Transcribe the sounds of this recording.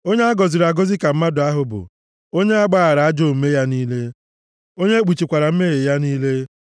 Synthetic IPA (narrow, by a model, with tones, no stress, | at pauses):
o˦ɲe˦a˦ɡɔ˨zi˨ɾa˨ɡo˦zi˦ka˨m̩˦ma˦dʊ˨a˦ɦʊ˨bʊ̰˨ | o˦ɲe˦a˦ɡ͡ba˦a˨ɾa˨a˦d͡ʒo˦˨m̩˨me˦ja˦niː˦le˦ | o˦ɲe˦k͡pu˨t͡ʃi˨kʷa˨ɾa˨m̩˦me˦ɣe˨ja˦niː˦le˦